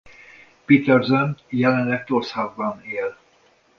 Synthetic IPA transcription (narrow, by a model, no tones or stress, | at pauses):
pit̪ɛrzønjɛlɛnlɛk̚t̪orshaɡbɒneːl